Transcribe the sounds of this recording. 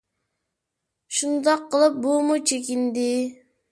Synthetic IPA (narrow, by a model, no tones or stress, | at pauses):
ʃund̪ɑqʰːəlˠɨp̚bumut͡ʃʰekʲind̪ɪ